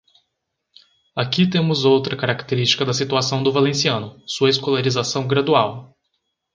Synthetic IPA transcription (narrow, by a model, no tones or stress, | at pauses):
akit̪ẽmʊzowt̪ɾɐkaɾakt̪eɾist͡ʃi̥kɐd̪ɐsit̪uasɐ̃w̃d̪ʊvalẽsiɐ̃nʊsuɐeskolaɾizasɐ̃w̃ɡɾad̪uaw